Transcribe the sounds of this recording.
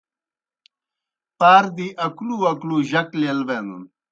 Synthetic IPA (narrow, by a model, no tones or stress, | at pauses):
paːɾd̪iʔɐkluɐkluʑɐklelbend̪ṵn